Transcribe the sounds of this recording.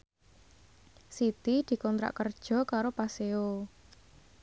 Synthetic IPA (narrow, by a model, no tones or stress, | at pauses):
sit̪id̪̥i̤kɔnt̪ɾa̰ʔkərd̥ʒ̥ɔ̤kaɾopaseo